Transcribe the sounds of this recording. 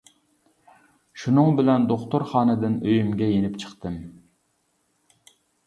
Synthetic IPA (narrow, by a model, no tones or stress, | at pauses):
ʃunɨŋbɪlɛnd̪oχt̪ʊɾχɑːnɨd̪ɨnøjymɡʲɛjenɪpt͡ʃʰə̥qt̪ɨm